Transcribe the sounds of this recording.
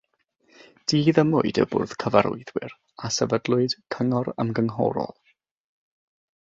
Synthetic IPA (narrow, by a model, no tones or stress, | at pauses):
d̥iːðəmʊɨdəbʊ̰rð̥kʰəvaɾʊ̰ɨðwɪɾ | asɛvədlˠʊɨd̥kʰəŋɔɾə̰mɡəŋɦɔ̰ɾɔ̰lˠ